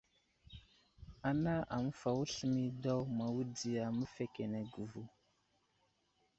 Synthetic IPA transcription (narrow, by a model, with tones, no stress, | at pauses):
a˨na˦ʔa˨mə˦fa˨wu˦ɬə˨mi˦da˦wma˨wu˦di˨ja˨mə˦fe˨ke˨ne˨ɡu˨vu˨